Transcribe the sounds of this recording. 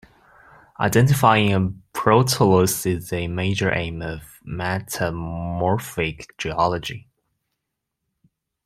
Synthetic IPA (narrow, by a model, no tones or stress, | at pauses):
ʔa̰ɪdɛ̃ntɨfaɪɪ̃ŋəpʰɹ̥oʊtʰəlosɪzɨmeɪd͡ʒə˞ʔḛ̃ɪ̃mʌv | mætʰəmɔɹfɪkd͡ʒiɑlˠəd͡ʒi